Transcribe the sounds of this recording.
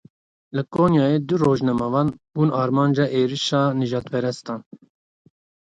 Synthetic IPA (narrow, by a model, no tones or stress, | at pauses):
lɨkoːnjɑːjed̪uɾoːʒnɛmɑvɑːnbuːnɑːɾmɑːnd͡ʒɑːʔeːɾiʃɑːnɨʒɑːt̪pɛɾɛst̪ɑːn